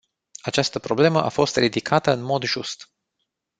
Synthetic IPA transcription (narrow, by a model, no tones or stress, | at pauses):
at͡ʃast̪əpɾo̞ble̞məʔafo̞st̪rid̪ikʰat̪əɨnmo̞d̪ʒust̪